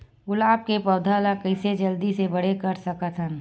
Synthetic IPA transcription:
ɡʊlaːp̚kepɐːd̪ʱalakəɪsed͡ʒɐld̪isebɐɽ̤ekɐɾsɐkət̪ʰɦən

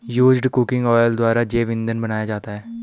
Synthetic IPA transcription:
juːd͡ʒɖkʊkɪ̃ŋɡɔːjəld̪ʊwaːɾad͡ʒeːʋɪ̃nd̪ənbɐnaːjad͡ʒaːt̪aɦɛː

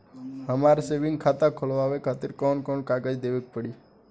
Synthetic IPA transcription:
ɦəmaɾseʋiŋɡ̚kʰat̪akʰolʋaʋekʰat̪iɾkɔnkɔnkaɡad͡ʒd̪eʋek̚pəɽi

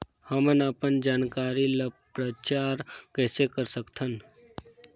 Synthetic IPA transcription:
həmənaːpənd͡ʒaːnkaːɾiləpɾət͡ʃaːɾkɛːsekəɾsəkt̪ʰən

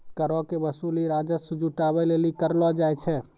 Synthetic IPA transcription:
kəɾɔkebəsuliɾad͡ʒəsud͡ʒuʈaβɛlelikəɾlɔd͡ʒajt͡ʃʰɛ

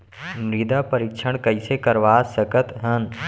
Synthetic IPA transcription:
mɾid̪apəɾɪkt͡ʃʰəɽ̃kəɪsekəɾʋaːsəkət̪ɦən

